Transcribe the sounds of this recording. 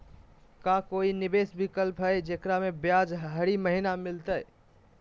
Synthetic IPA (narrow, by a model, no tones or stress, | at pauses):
kakoinibesbikəlpɦəjd͡ʒekɾamebjad͡ʒɦəɾiməɦinamilt̪əj